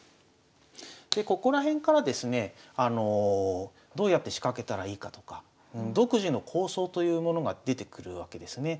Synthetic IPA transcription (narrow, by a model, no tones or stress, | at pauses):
d̪e̞ko̞ko̞ɾaɦẽ̞ŋkaɾad̪e̞sɨne̞ano̞ | d̪o̞ːjat̪ːe̞ɕi̥kake̞t̪aɾaiːkat̪o̞̥kḁ | ɯ̟̃ɴd̪o̞kɯ̟ʑino̞kʰo̞ːso̞ːt̪o̞jɯ̟ːmo̞no̞ɡad̪e̞t̪e̞kɯ̟ɾɯ̟̰βake̞d̪e̞sɨne̞